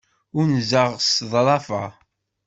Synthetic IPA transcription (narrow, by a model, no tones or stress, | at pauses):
ʊɾnzəʁsðˤɾˤɑfɑ